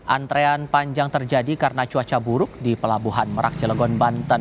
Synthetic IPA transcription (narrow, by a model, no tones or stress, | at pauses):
ʔa̰nt̪ɾeanpaɲd͡ʒaŋt̪ərd͡ʒadikarənat͡ʃuat͡ʃabuɾʊk̚dipəlabuɦanməɾʔa̰k̚t͡ʃələɡɔnbant̪ən